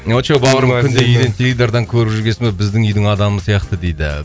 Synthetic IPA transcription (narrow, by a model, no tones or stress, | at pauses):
ot͡ʃowbɑʁəɾəmkʲʰʏnd̪eʏjd̪ent̪ʰʲelʲid̪ɑɾd̪ɑŋkʲʰɵɾɪbʒʏɾɡʲesɪmebɪzd̪ɪŋʏjd̪ɪŋɑd̪ɑməsijɑqt̪əd̪e̞jd̪ɪ̰